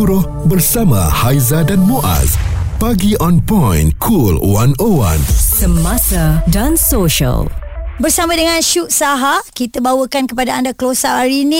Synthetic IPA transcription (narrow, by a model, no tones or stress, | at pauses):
uɾʊh | bərsama̰hajzadanmoʔa̰spaɡiʔɔnpɔ̃jnkʰulwanowã̰nsəmasadansoʃə̰lbərsamãdəŋãnʃuʔsaɦakit̪abawəkankəpadaandakəlosaʔhaɾiːnĩ